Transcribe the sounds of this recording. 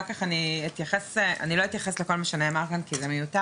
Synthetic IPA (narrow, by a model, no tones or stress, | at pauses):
ʁkaχaniit̪jaχesa̰niloit̪jaχesleko̞lmaʃaneamakankizemejuta